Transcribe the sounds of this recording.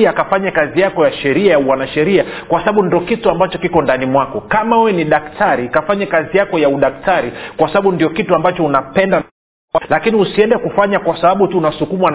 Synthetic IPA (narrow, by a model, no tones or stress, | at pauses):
akafaɲakazijakɔjaʃɛɾiajawanaʃɛɾiakwasaɓaɓundiɔkituambat͡ʃɔkikɔndanimwakɔkamaɛwɛniɗaktʰaɾikafaɲakazijakɔjauɗaktaɾikwasaɓaɓundijɔkituambat͡ʃɔunapɛnda | lakiniusiɛndɛkufaɲakwasaɓaɓutuːnasukumwan